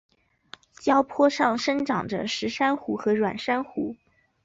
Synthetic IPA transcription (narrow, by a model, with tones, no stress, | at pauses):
t͡ɕjɑ˥ʊpʰwɔ˥ʂɑ˥˩ŋʂə˥ŋʈ͡ʂɑ˨˩ŋʈ͡ʂə̰˦ʂɻ̩˧˥ʂa˥nxu˧˥xɤ˧˥ɻwa̰˨˩nʂa˥nxu˧˥